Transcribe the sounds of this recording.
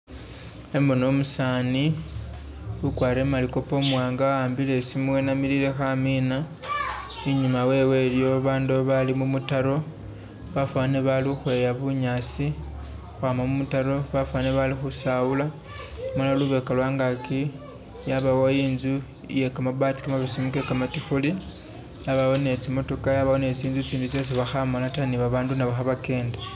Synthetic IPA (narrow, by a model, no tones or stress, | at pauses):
e̞mbo̞no̞musani | ukwaːɾe̞maliko̞po̞mwaːŋɡaaːmbile̞simuwenamiɾiɾe̞xamina | iɲimawe̞we̞ljo̞βaːnduaβalimumutaɾo̞ | βafaneβalixwe̞ːjaβuɲaːsi | xwaːmamumutaɾo̞βafwaneβalixusawula | malaluβe̞kalwaːŋɡaki | jaβawajiːnzu | je̞kamaβati̥kamaβisimukekamatixuli | jaβawo̞ne̞t͡simo̞to̞kajaβawo̞ne̞t͡siːnzut͡siːndut͡sjo̞s̬iβaxamolataniβaβaːndunaβaxaβake̞ːnda